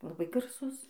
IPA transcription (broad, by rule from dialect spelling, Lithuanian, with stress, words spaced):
lˠɐˈbɐɪ ɡɐrˈsʊs